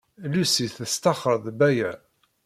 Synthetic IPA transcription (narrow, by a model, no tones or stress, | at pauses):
lusiθəst̪ɑχəɾˤðˤbæjæ